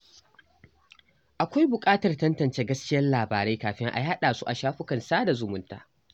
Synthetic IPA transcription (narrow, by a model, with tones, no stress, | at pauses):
ʔa˨kʷa˦jbʊ˨kʼaː˦tɐ˨rtɐ˦ntɐ˨nt͡ʃeː˦ɡɐ˦skʲɪ˦jɐ˦nlaː˨baː˨ɾe˦jkaː˨ɸɪ˦ŋʔa̰˨˦a˦ɗaː˨su˦ʔa˨ʃaː˦ɸʊ˦kɐ˨nsaː˦da˨zʊ˨mʊ˦nta̰ː˦